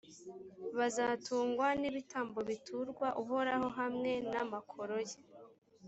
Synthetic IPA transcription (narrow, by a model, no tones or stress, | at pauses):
βazatuːŋɡwaniβitaːmbo̞βitʰuɾɡwaʔuɦo̞ɾaho̞ɦamŋe̞namakʰo̞ɾoje